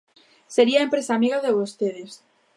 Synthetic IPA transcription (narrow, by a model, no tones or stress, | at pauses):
seɾiaempɾesaːmiɣaðeβost̪eðes